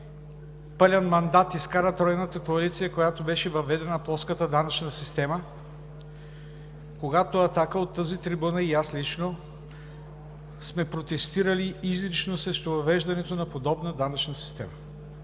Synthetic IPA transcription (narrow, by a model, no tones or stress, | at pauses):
pəlʲɐnmɐnd̪at̪iskaɾət̪ɾɔjnət̪əkoɐlit̪sijəkojat̪obɛʃɛvɐvɛd̪ɛnɐplˠɔskət̪əd̪anɐt͡ʃnəsist̪ɛmə | koɡat̪oɐt̪akəot̪ːəzit̪ɾibunəijaslit͡ʃno | smɛpɾot̪ɛst̪iɾɐliizlit͡ʃnosɾɛʃt̪ovɐvɛʒd̪ɐnɛt̪onɐpod̪ɔbnəd̪anɐt͡ʃnəsi̥st̪ɛ̰mə